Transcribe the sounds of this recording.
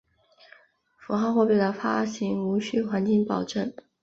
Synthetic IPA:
fu˧˥xɑ˥˧xwɔ˥˧pi˥˩lə˩fa˥ɕi˧˥ŋu˧˥ɕy˥˩xwa˧˥nt͡ɕi˥˩ŋpɑ˨˩ʊʈ͡ʂə˥˩ŋ

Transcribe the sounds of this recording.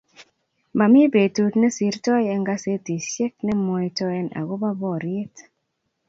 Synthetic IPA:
ma˨mɪ˦be˨tu˦tnɛ˦si˨ɾtɔ˦jɛ˦ŋɡa˦se˦ti˨ʃɛ˦k̚nɛ˦mɔ˨jtɔ˦ɛ˦na̰˨ɡo˦ba˦bɔ˦ɾɪ˦t

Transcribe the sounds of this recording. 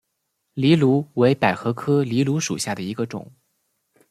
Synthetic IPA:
li˧˥lu˧˥we˧˥ɪpa˨˩ɪxɤ˧˥kʰɤ˥li˧˥lu˧˥ʂṵ˨˩ɕja˥˩d̪ə˩i˧˥ɡə˧ʈ͡ʂʊ̰˨˩˦ŋ

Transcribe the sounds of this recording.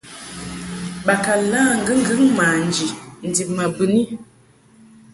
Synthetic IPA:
ɓa˨ka˨la˦˨ŋ̩˦ɡɨ˦ŋ̩˦ɡɨ˦ŋmaː˨n˨d͡ʒi˨n̩˨di˨p̚ma˨bɨ˨ni˦

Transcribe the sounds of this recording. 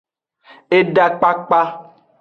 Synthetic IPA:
e˦ɖa˦k͡pa˦k͡pa˦

